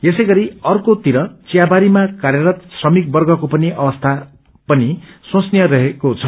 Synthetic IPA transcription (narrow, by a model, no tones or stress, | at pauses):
jesʌjɡʌɾiʌrkot̪iɾʌt͡sijabaɾimakarjʌɾʌt̪srʌmik̚bʌrɡʌkopʌniʔʌbʌst̪ʰa | pʌnisõsnijʌɾʌɦekot͡sʰʌ